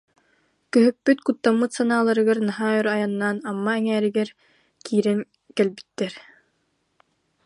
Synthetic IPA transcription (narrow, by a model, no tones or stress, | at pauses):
kœɦœkːyt̪kut̪ːamːɯt̪sanaːlˠaɾɯɡaɾnaɦaːœɾajanːaːnamːaɛŋɛːɾiɡɛɾ | kʰiːɾɛn | kɛlbi̥t̪ːɛɾ